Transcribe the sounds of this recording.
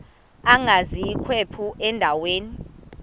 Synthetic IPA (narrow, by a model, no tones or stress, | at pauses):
aŋazijikʰwepʰuʔɛndʱaweːni